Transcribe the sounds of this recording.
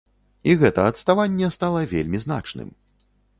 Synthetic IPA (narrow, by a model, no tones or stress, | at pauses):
iɣɛt̪ɐɐt̪st̪avanʲːɛst̪alˠɐvʲḛlʲmʲizn̪a̰t͡ʂnɨ̰m